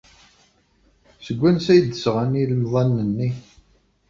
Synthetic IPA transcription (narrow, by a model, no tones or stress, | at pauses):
səɡʷːænsæjəd̪ːəsʁaniləmðˤɑnːənːi